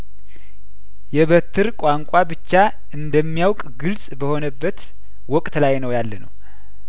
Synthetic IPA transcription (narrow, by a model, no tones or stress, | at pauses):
jɛβət̪ʰːɨɾkʼaŋkʼabɨt͡ʃːa | ʔɨnd̪əmːijawkʼɡɨlsʼbəho̞nəbːət̪ | wɔkʼt̪lajnəwjalːənə̰w